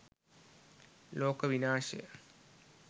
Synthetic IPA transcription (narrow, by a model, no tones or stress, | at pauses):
loːkəʋinaːʂḛjə̰